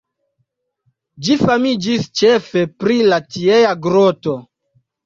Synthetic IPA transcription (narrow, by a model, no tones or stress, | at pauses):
d͡ʒifamid͡ʒist͡ʃefe̞pɾilatiejaɡɾoto̞